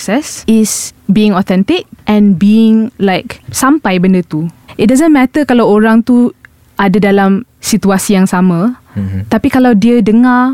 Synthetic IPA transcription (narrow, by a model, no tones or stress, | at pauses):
sɛsɪsbiɪ̃ŋɔt̪ɛ̃nt̪ɪk̚ʔɛ̃nbiɪ̃ŋlaɪksampajbəndət̪uɪt̚dazə̃nmɛt̪əkalawoɾaŋt̪u | adadalamsit̪uasijaŋsamãt̪apikalawdiədəŋa